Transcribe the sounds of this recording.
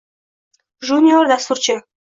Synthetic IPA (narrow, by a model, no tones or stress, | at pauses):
ʒunʲiord̪ast̪uɾt͡ɕə